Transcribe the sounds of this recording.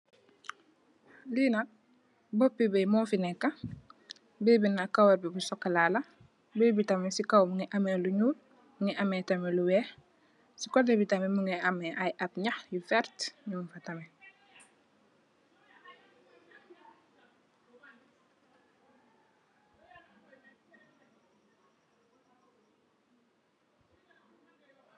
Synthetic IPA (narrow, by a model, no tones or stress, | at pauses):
liːnɐk̚ | bɔpːibɛjmɔːfinɛkːɐ | bɛːbinakawɐɾbibusɔkːɐlaːlɐ | beːbitɐmɛsikawmuŋiʔɐmɛluɲuːl | muŋiʔɐmɛtɐmɛluwɛː | sikɔdɛbitɐmɛmuŋɛʔɐmɛʔɐjʔɐp̚ɲɐxjufɛrtɲuːnfɐtɐmɛ